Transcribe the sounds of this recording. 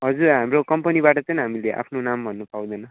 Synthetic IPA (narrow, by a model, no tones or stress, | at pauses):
ɦʌd͡zurɦamrokʌmpʌniβaʈʌt͡sʌnɦamileʔa̰pʰnonambʱʌnːʌpaw̃d̪ʌjnʌ